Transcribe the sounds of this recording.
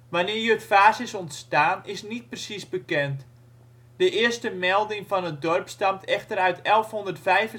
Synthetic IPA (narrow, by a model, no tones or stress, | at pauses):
ʋanɪːrjəətfaːsɪsɔntstaːnɪsnit̚prəsisbəkɛnt | d̥əʔɪərstəmɛlˠdɪŋfɔnət̚dɔrpstamtʰɛxtərœɥtʰɛlˠfɦondərtfɛjfə